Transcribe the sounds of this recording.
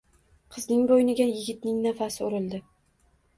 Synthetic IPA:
qʰɨznɪŋbojnɪɡʲajɪɡʲɪt̪nɪŋnafasɪʊɾɪlˠd̪ɪ

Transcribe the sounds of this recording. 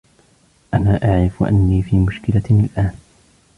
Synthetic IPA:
ʔanaːʔaʕɾɪfʔa̰nːiːfiːmʊʃkɪlaalʔaːn

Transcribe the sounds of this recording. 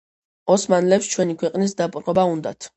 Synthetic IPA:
ɔsmanlɛpst͡ʃʰwɛnikʰwɛqʼnis̬d̪apʼɾʁɔbaund̪a̰t̪ʰ

